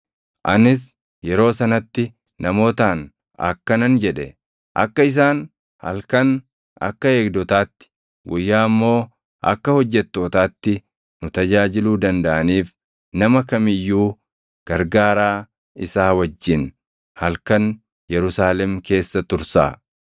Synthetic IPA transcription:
ʔɐnɪs̬ | jɛɾo̞ːsɐnɐt̪ːɪ | nɐmo̞ːt̪aːn | ɐ̰kːɐnɐnd͡ʒɛᶑɛ | ʔɐ̰kːɐɪs̬aːn | hɐ̰lkɐn | ʔɐ̰kːɐe̞ːɡd̪ɔt̪aːt̪ːɪ̥ | ɡʊjːaːmːo̞ː | ʔɐ̰kːɐhɔd͡ʒːɛt̪ːo̞ːt̪aːt̪ːɪ | nʊt̪ɐd͡ʒaːd͡ʒɪluːd̪ɐnd̪ɐʔɐniːf | nɐmɐkɐmɪjːuː | ɡ̥ɐɾɡaːɾaː | ɪsaːwɐd͡ʒːɪn | hɐlkɐn | jɛɾʊsaːlɛmke̞ːsːɐt̪ʊɾsa̰ː

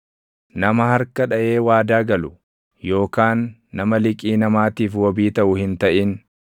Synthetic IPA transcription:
nɐmɐhɐɾkɐᶑɐʔe̞ːwaːd̪aːɡɐlʊ | jo̞ːkaːnːɐmɐlɪkʼiːnɐmaːt̪iːfwɔbiːt̪ɐʔʊhɪnt̪ɐʔɪn

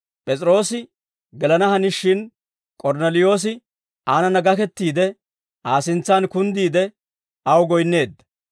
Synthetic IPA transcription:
pʼɛt͡sʼɾo̞ːsɪ | ɡɛlɐnɐhɐnɪʃːɪn | kʼɔɾnɛlɪjo̞ːs̬ɪ | ʔaːnɐnɐɡɐkɛt̪ːiːd̪ɛ | ʔaːsɪnt͡sːankʊnd̪iːd̪ɛ | ɐwɡɔjnːe̞ːd̪ːɐ̥

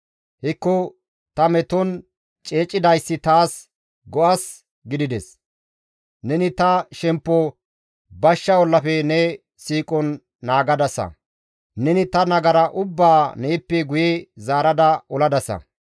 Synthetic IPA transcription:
hɪkːɔ | t̪ɐmɛt̪ɔn | t͡ʃʼeːt͡ʃʼːɪd̪ɐjsːɪt̪aːs | ɡɔʔɐs | ɡɪd̪ɪd̪ɛs | nɛnɪt̪ɐʃɛmpːɔ | bɐʃːɐɔlːɐfɛnɛ | siːkʼɔnː | aːɡɐd̪ɐsɐ̰ | nɛnɪt̪ɐnɐɡɐɾɐʔʊbːaːneːpːɛɡʊjɛzaːɾɐd̪ɐɔlɐd̪ɐsɐ̰

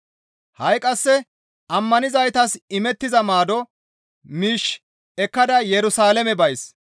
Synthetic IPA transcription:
hɐjkʼɐsːɛ | ʔɐmːɐnɪzɐjt̪ɐsɪmɛt̪ːɪzɐmaːd̪ɔ | miːʃ | ɛkːɐd̪ɐjɛɾʊsaːlɛmɛbɐjs

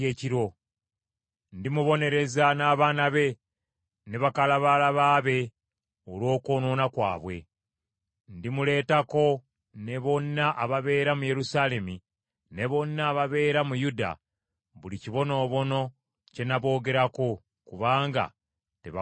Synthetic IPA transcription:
eːciɾo̞ | ndimuβo̞ne̞ɾe̞zanaːβaːnaβe̞ | ne̞βakalaβalaβaːβe̞ | olwo̞ːkono̞ːnakwa̰ːβwe̞̰ | ndimule̞ːtako̞ | ne̞βo̞nːaʔaβaβe̞ːɾamuje̞ɾusaːle̞mi | ne̞βo̞nːaːβaβe̞ːɾamujuda̰ | βuliciβo̞no̞ːβo̞no̞ | ce̞naβo̞ːɡe̞ɾako̞ | kuβaːŋɡa̰ | te̞̰βa

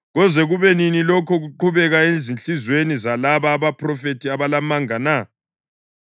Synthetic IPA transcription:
ɣɔzɛɣuβeninilɔkʰɔɣuǃuβɛɣaezinɬʼizwenizalaβaːβapʰrɔfetiaβalamaŋana

